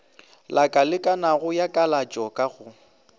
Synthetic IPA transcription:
lakʼalɪkʼanaɣʊjakʼalat͡ʃʼɔkʼaɣʊ

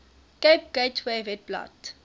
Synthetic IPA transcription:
kep̚ɡ̥eɪtʰwevɛt̚bla̰t

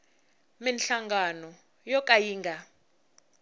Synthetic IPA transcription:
minɬaŋɡanɔ | jɔkʼajiːŋɡʱa

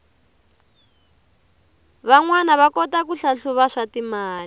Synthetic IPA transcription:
βaŋwanaβakɔtakuɬaɬuβaʂatimaːl

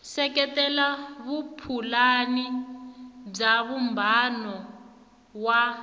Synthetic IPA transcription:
sɛkɛtɛlaβupʰulani | b͡ʐaβumbʱanɔ | wa

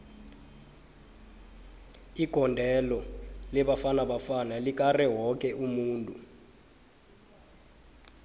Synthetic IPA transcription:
iɡ̥ʱɔndʱɛlɔlɛɓafanaɓafanalik̬ʼarɛɦɔk̬ʼɛʔumuːntʼu

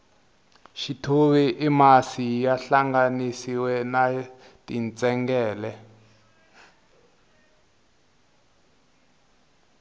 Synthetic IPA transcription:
ʃitʰoβɛʔimasijaɬaŋɡanisiwɛna | tint͡sʼɛŋɡɛːlɛ

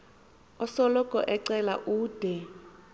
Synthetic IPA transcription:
ɔsɔlɔkʼɔ̰ʔɛǀɛla̰ʔuːd̥ʱɛ

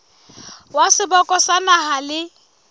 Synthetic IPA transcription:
wasɪbɔkʼɔsanaɦalɪ

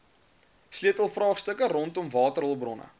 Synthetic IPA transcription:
sliətəlˠfrɑːχstəkəɾɔntɔmvɑːtəɾɦɔlˠbrɔnə̰

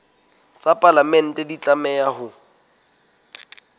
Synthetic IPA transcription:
t͡sʼapʼalamɛn̩tʼɛdit͡ɬʼamɛjahʊ

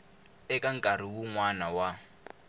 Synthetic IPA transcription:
ɛkʼaŋ̩kʼaɾ̤iwuŋwanawa

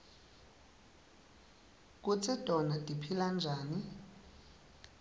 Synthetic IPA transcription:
k̬ut͡sʰɛd̥ʱʼɔnadʼipʰiland͡ʒʱaːni

